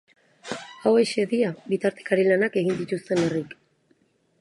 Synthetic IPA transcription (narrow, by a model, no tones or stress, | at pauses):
awe̞ʃe̞ðiaβit̪aɾt̪ekaɾilanake̞ɣind̪it̪ust̪e̞nerik